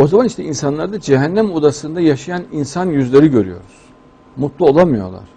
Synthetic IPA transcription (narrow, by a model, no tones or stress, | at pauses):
o̞zamaniʃt̪ʰɛinsanlˠaɾd̪ad͡ʒeɦænːæmod̪asɯnd̪ajaʃajaninsanjyzlʲe̞ɾiɟø̞ɾyjo̞̰ɾuz̥ | mut̪lˠuolˠamɯjo̞̰lˠa̰ɾ̥